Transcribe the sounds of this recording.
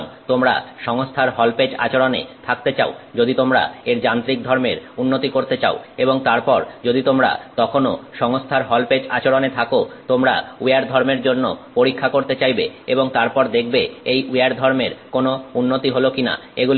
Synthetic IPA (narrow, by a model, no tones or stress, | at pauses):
ŋt̪omɾa̰ʃɔŋost̪ʰaɾɦɔlped͡ʑa̰t͡ɕoɾonḛt̪ʰak̚t̪et͡ɕa̰od͡ʑod̪it̪omɾa̰eɾd͡ʑant̪ɾik̚d̪ʱɔɾmeɾunːot̪ikoɾt̪et͡ɕaoeboŋt̪aɾpɔɾd͡ʑod̪it̪omɾa̰t̪ɔkʰonoʃɔŋost̪ʰaɾɦɔlped͡ʑa̰t͡ɕoɾonet̪ʰakot̪omɾa̰uaɾd̪ʱɔɾmeɾd͡ʑonːopoɾikʰːakoɾt̪et͡ɕajbḛeboŋt̪aɾpɔɾd̪ek̚ʰbeejuaɾd̪ʱɔɾmeɾkonounːot̪iɦolokina̰ | eɡul